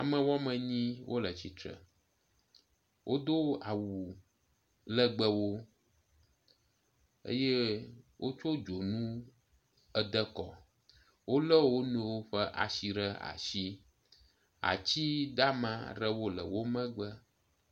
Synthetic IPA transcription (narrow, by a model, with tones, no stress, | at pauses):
a˨mə̃˨wɔ˦mə̃˨ɲĩ˦wʔo̰˦lə˨t͡ɕi˨t̪ɾə̰˨ | wʔo˦d̪o˦a˨wu˨ | lə˦ɡ͡bə˦wo˦ | ḛ˦je˦wʔo˦t͡ʃo˦d͡ʒo˨nũ˦ | ə˦d̪ə˦kɔ˨ | wo˦lə˦wo˦nẽ˨wo˦ɸə˦ʔa̰˨ʃi˨ɾə˦a̰˨ʃi˦ | a̰˨t͡ɕi˦d̪a˦mã̰˦˨ɾə˦wo˦lə̰˨wo˦mə̃˦ɡ͡bə˦